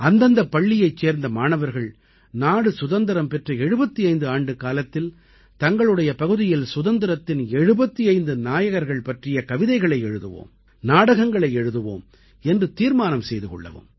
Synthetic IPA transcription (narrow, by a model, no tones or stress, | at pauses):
ɐnd̪ɐnd̪ɐpːɐɭːɪjɐɪt͡ʃːeːɾnd̪ɐmaːnɐʋɐɾɣɐɭ | naːɽɯsʊðɐnd̪ɐɾɐmpɛʈrɐɛɻɯbɐt̪ːiɐɪnd̪ɯaːɳɖɯkaːlɐt̪ːɪl | t̪ɐŋɡɐɭɯɽɐjɐpɐɣɯðɪjɪlsʊðɐnd̪ɪɾɐt̪ːɪnɛɻɯbɐt̪ːiɐɪnd̪ɯnaːjɐɣɐɾɣɐɭpɐʈrɪjɐkɐʋɪðɐɪɣɐɭɐɪɛɻɯðɯ̰ʋo̰ːm | naːɽɐɣɐŋɡɐɭɐɪɛɻɯðɯʋo̰ːm | ɛndrɯt̪iːɾmaːnɐmsɛjðɯkɔ̰ɭːɐ̰ʋɯ̰m